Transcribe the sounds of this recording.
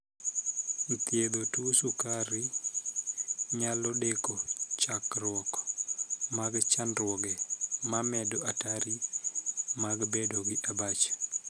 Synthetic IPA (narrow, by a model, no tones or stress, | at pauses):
nt̪jed̪otusukaɾɪ | ɲalɔdekot͡ʃakɾwɔk | maɡt͡ʃanɾwɔɡɛmamɛdoataɾi | maɡbedoɡɪʔabat͡ʃ